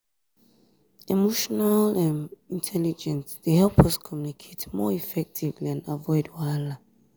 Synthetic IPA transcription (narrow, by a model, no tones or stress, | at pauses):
imoʃɔnalãnĩntʰɛlid͡ʒɛ̃ntdehɛlpʰʌskʰɔmjunikʰetmɔ̰ifɛk̚tʰivlãnavɔɪdwala